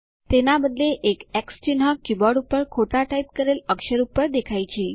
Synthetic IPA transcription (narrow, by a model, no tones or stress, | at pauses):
t̪enabəd̪leʔekɛkst͡ɕinɦakːibɔɽupəɾkʰoʈaʈajp̚kəɾeləkʃəɾupːəɾd̪ekʰajt͡ɕʰi